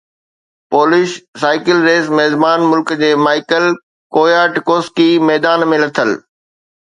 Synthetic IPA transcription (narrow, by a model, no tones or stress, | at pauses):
poːlɪʃsaːɪkəlɾeːsmɛːzmaːnmʊlkd͡ʑeːmaːɪkəl | koːjaːʈkoːskimɛːd̪aːnmẽlɐt̪ʰəl